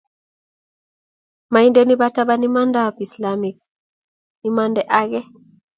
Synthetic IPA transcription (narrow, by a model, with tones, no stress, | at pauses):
ma˨i˦nde˦ni˦ba˦ta˦ba˦ni˦ma˦nda˦˨pi˨sla˨mi˨k̚ | ni˦ma˦ndɛ˦ʔa˦ɣɛ˦